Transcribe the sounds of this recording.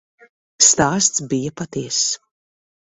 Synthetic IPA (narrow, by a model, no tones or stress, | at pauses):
st̪aːst̪sbijɐpat̪iɛs